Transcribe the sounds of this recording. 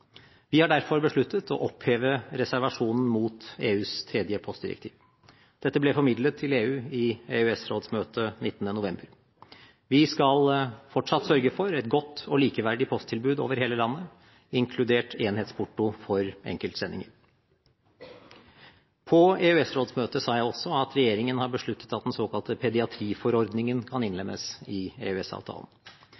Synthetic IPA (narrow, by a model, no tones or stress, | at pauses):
ʋɪhɑɖæɾfɔɾbəʂɭʉt̪ːət̪ʰɔ̰ʔɔpheːʋəɾɛsæɾʋɑʂuːnn̩muːt̪eːʉːst̪ʰɾɛd̪jəpʰɔst̪d̪ɪɾə̰kt̪ʰḭːʋ | d̪̥ɛt̪ːəblɛfɔɾmɪd̪lət̪ʰːɪleːʉːɪeːʉɛsɾoːd̪smøːt̪ənɪt̪ːənənʊʋɛmbəɾ | ʋɪskɑlfɔʈʂɑt̪sœɾɡəfɔɾɛt̪ɡɔt̪ʰːɔliːkəʋæɖɪpʰɔst̪ʰɪlbʉːd̪o̰ːʋəɾheːləlɑnːə | ɪŋkʰlʉd̪eːʈeːnheːt̪spʰʊʈːʊfɔɾʔɛ̰ŋkəlt̪sɛnːɪ̰ŋəɾ | pʰɔeʉɛsɾoːd̪smøːt̪əsɑːjæɪɔsːɔɑt̪ɾɛjeːɾɪŋənhɑɾbəʂɭʉt̪ːət̪ɑt̪̚d̪ɛnsoːkʰɑlt̪əpʰɛd̪ɪɑt̪ʰɾiːfɔɾɔɾd̪nɪŋənkʰɑnɪnlɛmʔə̰sɪḛːʉɛsɑ̰ːʋt̪ʰɑ̰ːlən̩